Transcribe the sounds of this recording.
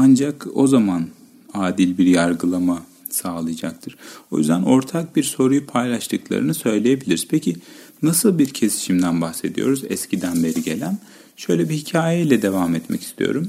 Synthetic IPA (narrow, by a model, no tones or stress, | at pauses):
and͡ʒako̞̰zaman | aːd̪ilʲbiɾjaɾɡɯlˠama | saːlˠɯjad͡ʒak̚t̪ʰɯɾ̥o̞jy̰zd̪æno̞ɾt̪ʰak̚biɾso̞ɾujupʰajlʲˠaʃt̪ʰɯklˠa̰ɾɯnɯsø̞jlʲejebilʲiɾiz̥pʰecʰinasɯlˠbiɾcʰe̞si̥ʃimd̪ænbaxse̞d̪ḭjo̞ɾuzɛ̰scʰid̪ænbe̞ɾiɟe̞lʲæn | ʃø̞jlʲɛbihicʰaːjejilʲɛd̪e̞vamɛt̪mɛ̰cʰi̥st̪ʰḭjo̞̰ɾum